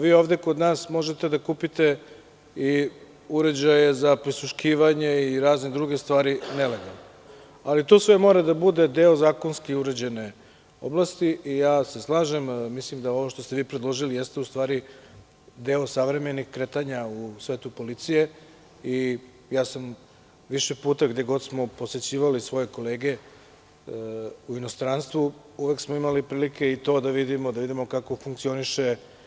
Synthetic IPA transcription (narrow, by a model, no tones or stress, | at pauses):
ʋiːo̞ːʋd̪e̞ko̞d̪naːsmo̞ʒet̪ed̪akuːpit̪e | i | uɾe̞d͡ʑajezapɾisuʃkiːʋaɲeiɾaːzned̪ɾuɡe̞st̪ʋaːɾinele̞ɡalˠno | alit̪oːsʋe̞mo̞ːɾad̪abud̪e̞d̪e̞o̞zaːko̞nskiuɾed͡ʑene | o̰blast̪iʔijaːseslˠaːʒe̞mmislimd̪ao̞ʋo̞ʃt̪o̞st̪eʋiːpɾed̪lˠo̞ʒilijest̪eust̪ʋaːɾi | d̪eːosaʋɾe̞me̞nixkɾe̞t̪aɲausʋe̞ːt̪upo̞lit̪sije̞ | i | jaːsam | ʋiʃepuːt̪aɡd̪e̞ɡo̞d̪smo̞po̞set͡ɕiːʋalisʋo̞je̞ko̞le̞ːɡe̞ | uino̞st̪ɾanst̪ʋu | uʋeksmoimalipɾiːlike̞it̪o̞ːd̪aʋid̪imo̞d̪aʋid̪imo̞kako̞fuŋk̚t̪sio̞niʃe